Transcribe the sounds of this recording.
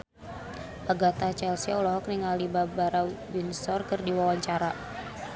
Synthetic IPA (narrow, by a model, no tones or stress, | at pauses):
ʔaɡat̪at͡ʃɛlsiɔlɔɦɔkniŋalibabaɾawinsɔrkərdiwawaɲt͡ʃaɾa